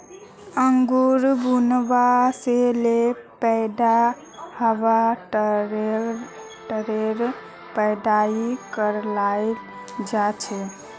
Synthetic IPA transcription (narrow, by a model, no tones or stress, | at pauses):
əŋɡuɾbunbaselepəjd̪a | həʋaʈ | ʈəɾeɾ | pəjd̪aikəɾlajl | d͡ʒat͡ʃʰɛ